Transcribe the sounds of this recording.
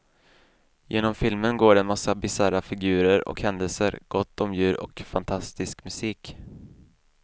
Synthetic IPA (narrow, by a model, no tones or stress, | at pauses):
jʔeːnɔmfɪlmənɡoːɖɛnmasːabɪsaɾafɪɡʉ̟ːɾəɾɔ̰khɛnd̪əlsəɾɡ̥ɔt̪ːɔmjʉ̟ːɾɔ̰kfant̪ʰast̪ɪskmɵsiːk